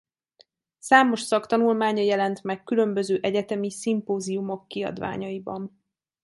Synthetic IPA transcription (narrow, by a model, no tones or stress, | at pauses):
saːmo̞ʃsɒkt̪ɒnulmaːɲɒjɛlɛnt̪mɛkːylø̞mbø̞zøːʔɛɟɛt̪ɛmisimpoːziumo̞kːiɒ̰d̪ʋa̰ːɲɒjibɒ̰n